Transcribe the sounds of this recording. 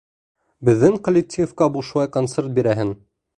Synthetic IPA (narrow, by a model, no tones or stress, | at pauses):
bɘ̆ðːɘŋkolʲɪk̚tʲijfkɑbuʃulˠɑjkonseɾt̪̚biɾæɦɘn